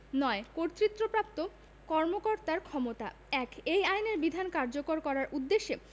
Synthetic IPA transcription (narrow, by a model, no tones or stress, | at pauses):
nɔekoɾt̪ːɾit̪ːɾopɾap̚t̪o | kɔɾmokoɾt̪aɾkʰɔmot̪a̰ | ɛkejajneɾbid̪ʱankaɾd͡ʑokoɾkɔɾaɾʔud̪ːeʃːe